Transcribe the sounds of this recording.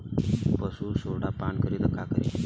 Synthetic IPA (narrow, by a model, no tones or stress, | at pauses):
pəsuːsoɽapaɳkəɾit̪əkakəɾḭ